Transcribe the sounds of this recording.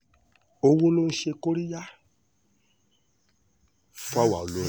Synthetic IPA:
o˧wo˦lo˦n̩˦ʃe˧ko˦ɾi˦ja˦ | fa˦˨wa˨lo˨˦˨

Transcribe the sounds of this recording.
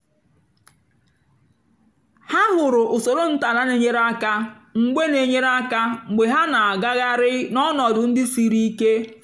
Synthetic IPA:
ha˦ɦʊ˨ɾʊ˨ʔʊ˨so˨ɾo˦n̩˦ta˨na˦ne˨ɲe˦ɾa˦ka˦ | ŋ͡m̩˨ɡ͡be˦ne˨ɲe˦ɾa˦ka˦ŋ͡m̩˨ɡ͡be˨ɦa˦na˨a˨ɡa˦ɣa˦ɾɪ˦nɔ˦nɔ˨dʊ˨n̩˦dɪ˦si˨ɾi˦i˦ke˦

